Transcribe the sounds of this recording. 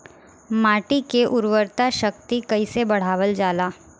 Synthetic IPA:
maːʈikeʔʊɾʋəɾt̪aʃək̚t̪ikɐisebɐɽ̤aːʋəld͡ʒaːlaː

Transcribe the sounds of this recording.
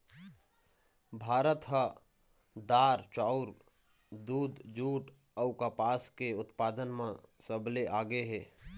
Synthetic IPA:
bʱaːɾət̪ɦa | d̪aːɾt͡ʃaːʊɾ | d̪uːd̪d͡ʒuːʈ | əʊkapaːskeʊt̪paːd̪ənmãsəbleʔaːɡəeɦɛː

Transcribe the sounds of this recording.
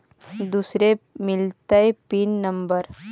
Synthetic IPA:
d̪uːsɾemɪlt̪aepiːnːɐmbəɾ

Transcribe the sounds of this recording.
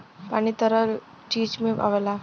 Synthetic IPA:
pañit̪əɾəl | t͡ɕiːd͡ʑmea̰ʋela

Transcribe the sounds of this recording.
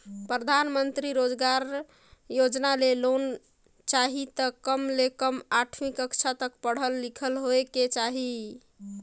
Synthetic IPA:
pɾəd̪ʱanmənt̪ɾiɾod͡ʒɡaɾ | jod͡ʒnalelon | t͡ʃaɦit̪əkəmlekəmaʈʰmikəkt͡ʃʰat̪əkpəɽ̤əlːikʰəlɦoeket͡ʃaɦi

